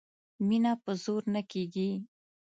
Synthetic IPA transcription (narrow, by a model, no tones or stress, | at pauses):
minapəzoɾnakeɡi